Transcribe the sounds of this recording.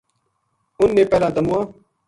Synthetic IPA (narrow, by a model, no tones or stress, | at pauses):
ʊnːeːpɛːlãːt̪əmuãː